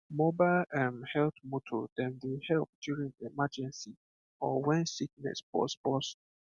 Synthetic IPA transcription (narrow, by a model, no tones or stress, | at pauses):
mobaɪlãmhɛltmotʰɔ̰dɛ̃ndehɛlp̚djuɹĩŋemad͡ʒɛ̃nsi | ɔwɛ̃nsik̚nɛ̰sbɔ̰sbɔs